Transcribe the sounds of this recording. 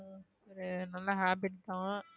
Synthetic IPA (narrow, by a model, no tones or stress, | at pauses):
ɔɾɯnɐlːɐɦaːbɪʈt̪ãː